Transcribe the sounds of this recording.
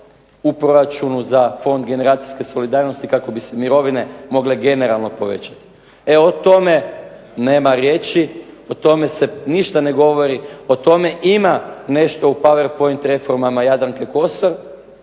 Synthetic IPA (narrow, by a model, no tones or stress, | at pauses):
upɾoɾat͡ʃunuzafo̞nd̪ɡe̞ne̞ɾaːt̪siske̞so̞lid̪aːɾno̞st̪ikako̞bise̞miɾo̞ʋine̞mo̞ɡleɡe̞ne̞ɾalˠno̞po̞ʋe̞̰t͡ɕḁt̪i̥ | eo̞t̪o̞me̞ | ne̞ːmaɾjeːt͡ʃiot̪o̞me̞se̞niʃt̪ane̞ɡo̞ʋo̞ɾio̞t̪o̞me̞ʔimane̞ʃt̪o̞upaʋeɾpo̞int̪ɾe̞fo̞ɾmamajad̪ɾaŋkeko̞st̪oɾ